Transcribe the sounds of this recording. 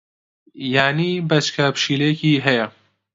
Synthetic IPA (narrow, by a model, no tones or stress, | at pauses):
jaːnibɐt͡ʃkʰɐpʃiːlejɛkiːɦɛjɐ